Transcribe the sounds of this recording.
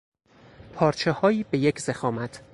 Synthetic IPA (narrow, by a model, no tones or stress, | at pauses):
pʰɒːɾt͡ʃʰehɒːiːbe̞jecʰzexɒːmæt̪ʰ